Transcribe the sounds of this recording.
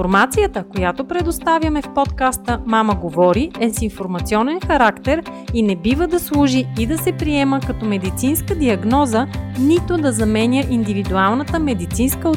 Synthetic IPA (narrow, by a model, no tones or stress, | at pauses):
oɾmat̪sijət̪əkojat̪opɾɛd̪ost̪avʲjəmɛfpɔt̪kast̪əmaməɡovɔɾiɛsinfoɾmɐt̪siɔnɛnxɐɾakt̪ɛɾinɛbivəd̪ɐslˠuʒiːd̪ɐsɛpɾiɛməkɐt̪ɔmɛd̪it̪sinskəd̪iɐɡnɔzənit̪od̪ɐzɐmɛnʲəʔind̪ivid̪ualˠnət̪əmɛd̪it̪sinskə